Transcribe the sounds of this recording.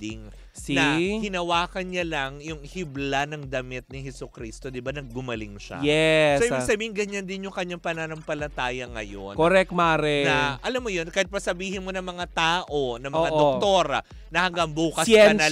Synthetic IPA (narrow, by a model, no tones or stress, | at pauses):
ɪŋ | nɐhɪnɐwaːkɐnɲɐlɐŋjʊŋhɪblanɐŋd̪ɐmɪt̪̚nɪhɛsukɾiːst̪o̞d̪ɪbanɐɡ̚ɡʊmɐlɪŋʃɐ̰jɛsoʔibiɡsɐbiːhɪŋɡɐɲand̪ɪnjʊŋkɐɲːaŋpɐnanɐmpɐlɐt̪aːjɐŋɐ̰jo̰nkoɾɛk̚t̪̚maːɾɛnɐʔɐlamːojonkɐjɪt̪̚pɐsɐbiːhɪnmo̞nɐŋmɐŋat̪aːʔo̞nɐmɐad̪ok̚t̪oːɾɐ̰ | nɐhɐŋɡaŋbuːkɐsɐnɐ